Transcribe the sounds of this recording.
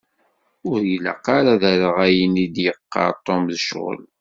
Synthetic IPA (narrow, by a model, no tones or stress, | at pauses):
ʊɾjələ̰qːaɾaðæɾəʁæjənid̪jəqːɑ̰ɾt̪ˤːomðəʃʁə̰l